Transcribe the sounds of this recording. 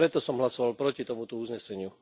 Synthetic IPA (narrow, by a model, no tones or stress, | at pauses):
ɾɛt̪ɔsɔmɦlasɔʋalpɾɔcit̪ɔmut̪ɔuzɲɛsɛɲɪu